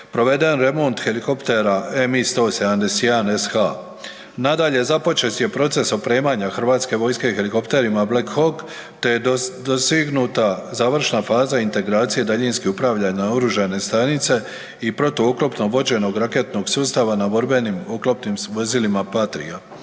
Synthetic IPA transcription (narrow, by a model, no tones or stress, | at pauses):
pɾo̞ʋe̞d̪enɾe̞mo̞nt̪xe̞liko̞pt̪e̞ɾae̞mist̪oseand̪esianesxa | nad̪aʎe̞zapo̞t͡ʃe̞t̪je̞pɾo̞t̪se̞sopɾe̞ːmaɲaxr̩ʋaːt̪ske̞ʋo̞jske̞xe̞liko̞pt̪e̞ɾimablekxo̞k | t̪e̞jd̪osiɡnut̪azaːʋr̩ʃnafaːzaint̪e̞ɡɾaːt̪sije̞d̪aʎinskiupɾaːʋʎanaoɾuʒane̞st̪anit̪se̞ | ipɾo̞t̪o̞uklo̞pnoʋo̞d͡ʑe̞no̞ɡɾake̞t̪no̞ɡsuːst̪aʋanabo̞ɾbe̞nimoklˠopnimʋo̞zilimapat̪ɾḭa